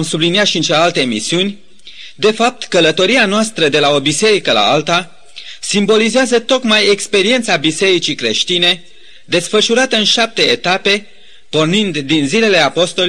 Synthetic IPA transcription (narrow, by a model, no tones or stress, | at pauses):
msubliniat̪ʃiɨnt͡ʃelealt̪e̞ːmisiunʲ | d̪e̞fap̚t̪kələt̪o̞ɾianoast̪ɾəd̪e̞lao̞bise̞ɾikəla̰alt̪a | simbo̞lizeazət̪o̞kmaje̞kspe̞ɾie̞nt̪sabise̞ɾit͡ʃikɾe̞̰ʃt̪ine̞ | d̪e̞sfəʃuɾat̪əɨnʃap̚t̪e̞ːt̪ape̞ | po̞rnind̪ːinzile̞le̞apo̞st̪o̞l